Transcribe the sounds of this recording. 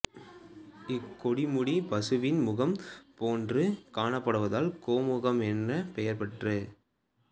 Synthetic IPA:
ɪkːɔɽɪmʊɽipɐsɯʋɪnmʊɣɐmpoːndrɯkaːɳɐpːɐɽɯʋɐðaːlkoːmʊɣɐmɛnːɐpɛjɐɾpɐʈrɯ

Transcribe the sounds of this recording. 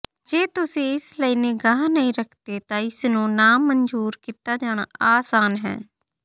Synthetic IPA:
d͡ʒeːt̪ʊsẽːɪsləiːneːɡaːnəĩːɾəkʰd̪eːt̪ãːɪsnũːnaːmənd͡ʒuːɾkiːt̪aːd͡ʒaːɽ̃aːaːsaːnɦɛ̰ː

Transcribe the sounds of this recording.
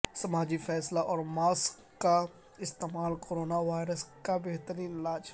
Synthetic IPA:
sɐmaːd͡ʒifɛːslaʔɔːɾmaːskːa | ɪst̪eːmaːlkoːɾoːnaʋaːɪɾəskabeɦt̪əɾiːnɪlaːd͡ʒ

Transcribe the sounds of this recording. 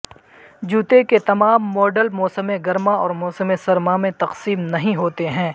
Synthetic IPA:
d͡ʒuːt̪eket̪ɐmaːmːɔːɖəlmɔːsəmẽɡɐɾmaɔːɾmɔːsəmẽsɐɾmamẽt̪ɐqsiːmnɐɦĩɦoːt̪eɦɛ̃ː

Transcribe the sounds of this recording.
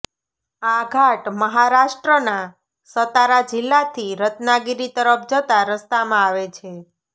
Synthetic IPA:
aɡʱaʈməɦaɾaʃʈɾəna | sət̪aɾad͡ʒɪlːat̪ʰiɾət̪naɡiɾit̪əɾəp̚ʰd͡ʒət̪aɾəst̪amãaʋet͡ʃʰe

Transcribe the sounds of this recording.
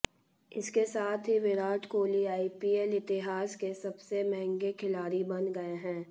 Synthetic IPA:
ɪskesaːt̪ʰɦiʋɪɾaːʈkoːliaːipiːɛlɪt̪ɪɦaːskesɐbsemɛɦɛ̃ŋɡekʰɪlaːɾibɐnɡɐeɦɛ̃ː

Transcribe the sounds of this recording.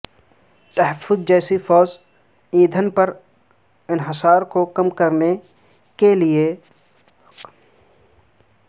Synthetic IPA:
t̪ɐɦəfːʊzd͡ʒɛːsifɔːz | ĩːd̪ʱənpəɾ | ɪnɦɪsaːɾkokɐmkɐɾne | kelie

